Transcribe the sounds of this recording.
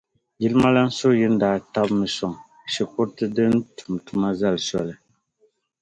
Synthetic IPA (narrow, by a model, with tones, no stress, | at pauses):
ji˦lɨ˦ma˦la˦n̩˦sʊ˦ɾji˦n̩˦daː˨ta˦bmɨ˨sɔ˨ŋ˨ | ʃɛ˨kʊ˦ɾtɨ˦dɨ˦n˦tu˨m˨tu˨˦ma˦za˦˨lsɔ˨lɨ˨